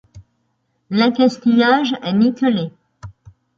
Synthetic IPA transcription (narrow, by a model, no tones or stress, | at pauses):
lɛ̃kʲast̪ijaʒɛnikɔle